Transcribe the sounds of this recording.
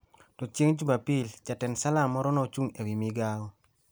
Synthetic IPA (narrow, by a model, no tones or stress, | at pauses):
tɔt͡ʃjeŋd͡ʒubapilt͡ʃatɛnsalamɔɾɔnɔt͡ʃuŋewimiɡaɔ